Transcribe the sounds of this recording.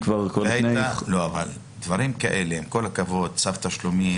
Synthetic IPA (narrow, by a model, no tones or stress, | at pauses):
kvaʁkolajalo̞aval | d̪vaʁimkaʔe̞leemko̞lakavo̞d̪̚t͡savt̪aʃlumi